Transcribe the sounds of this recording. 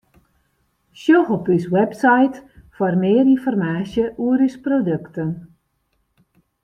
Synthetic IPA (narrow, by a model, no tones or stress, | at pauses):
ʃjoxɔpyswɛpsajtfarmɪərinfɔrmaːsjəʔuəɾysprodøktən